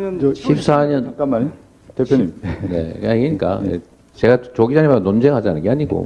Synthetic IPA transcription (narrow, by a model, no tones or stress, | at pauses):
ɕʰip̚s͈aɲʌnkama | t̪epʰjoɲimne̞̰aɲiɡeɲik͈a̰ḛ | t͡ɕe̞ɡat͡ɕoɡid͡ʑaɲemaɡnond͡ʑeŋɦad͡ʑianɯnŋɡeaɲiɡo̰